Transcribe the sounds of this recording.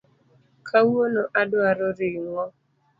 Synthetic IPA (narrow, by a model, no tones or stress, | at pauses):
kʰawonoʔadwaɾoɾɪŋɔ